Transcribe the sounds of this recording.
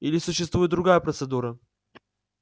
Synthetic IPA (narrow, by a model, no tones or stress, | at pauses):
ilʲɪsʊɕːɪst̪vujɪt̪d̪ɾʊɡajəpɾət̪sɨd̪uɾə